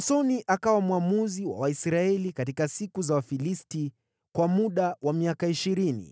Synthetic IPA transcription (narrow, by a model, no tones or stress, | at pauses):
sɔniʔakawamuamuziwa̰waisɾaɛlikatikasikuzawafilisti | kwamuɗawamiakaiʃiɾinḭ